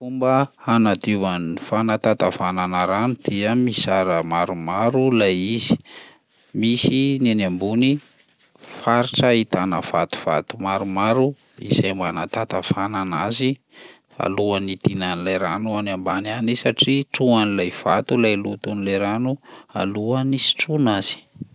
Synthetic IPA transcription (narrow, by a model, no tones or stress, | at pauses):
fumbə | anad̪ivanifanat̪at̪avananaɾanud̪̥iəmisaɾəmaɾumaɾulajizi̥ | misinanambuni | faɾiʈ͡ʂəit̪anə̰v̥at̪u̥v̥a̰t̪umaɾumaɾu | ḭz̥ajmanat̪at̪av̥ananazi | a̰luanit̪inanilajɾanuanambananisaʈ͡ʂiʈ͡ʂuanilajv̥a̰t̪ulajlut̪unilajɾanua̰luanisi̥ʈ͡ʂunaz̥i̥